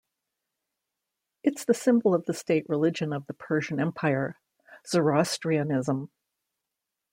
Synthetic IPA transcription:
ɨtsðɨsɪ̃mbl̩ˠʌvðɨsteɪʔ̚ɹɨlɪd͡ʒɨ̃nʌvðəpʰɜ˞ʒɨ̃nɛ̃mpʰaɪə˞ | z̥ə˞ɑstɹ̥iɨnɪzə̃m

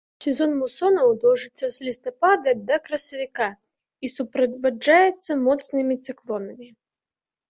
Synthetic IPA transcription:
sʲɛzɔnmusɔnɐwd̪ɔwʐɨt̪sːɐzʲlʲist̪ɐpad̪ɐd̪ɐkɾɐsɐvʲika | isupɾɐd͡zʲvad͡ʐajɛt̪sːɐmɔt̪snɨmʲit̪sɨklˠɔnɐmʲi

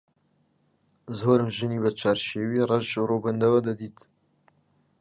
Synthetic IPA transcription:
zoːɾɨmʒɨniːbɛt͡ʃʰaːɾʃeːwiːrɑʒʒɨrobənd̪ɐwɐd̪ɐd̪iːt̪

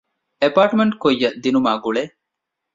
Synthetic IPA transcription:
epaːʈmeɳʈkojːɐd̪inumaːɡuɭe

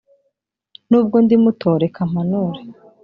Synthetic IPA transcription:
nuːb̚ɡondimutʰo̞ːɾe̞kʰam̥anuɾe

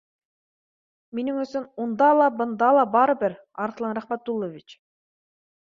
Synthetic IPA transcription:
miniŋɵ̆sɵmund̪ɑlˠɑbɤ̆nd̪ɑlˠɑbɑɾɤbɘɾ | ɑɾqlˠɑnɾæχmæt̪̚ːulˠːovʲit͡ʃ

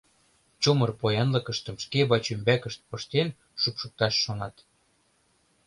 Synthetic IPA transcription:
t͡ɕumɤrpojɑnlɤkə̆ʃt̪ə̆mʃkeβɑt͡ɕymbækəʃt̪̚pɤʃt̪en | ʃupʃuk̚t̪ɑʃːonɑt̪

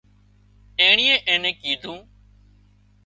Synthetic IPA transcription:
ẽːɳiːẽːʔẽːnẽːkiːd̪ʱũː

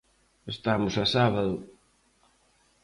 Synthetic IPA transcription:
est̪amʊsasaβaðʊ

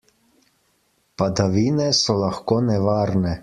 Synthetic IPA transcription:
pad̪aʋiːnɛsɔlaxkoːnɛʋaːɾnɛ

